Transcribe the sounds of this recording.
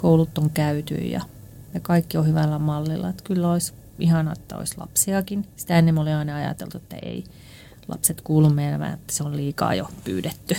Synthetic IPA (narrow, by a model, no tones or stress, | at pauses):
koulut̪ːoŋkæyt̪y̰ijɑ̰ | jɑkɑikːiohyʋælːæmɑlːilːɑ̰et̪kylːæois | ihɑnɑet̪ːæo̰islɑ̰psiɑkinsi̥t̪æenːemːoliɑinɑɑjɑ̰t̪ḛlt̪uet̪ːæ̰ʔḛi | lɑ̰pset̪kuːlːummeinæmæ̰ːet̪ːæ̥seolliːkɑ̰ːjo̰py̰ːdet̪ːy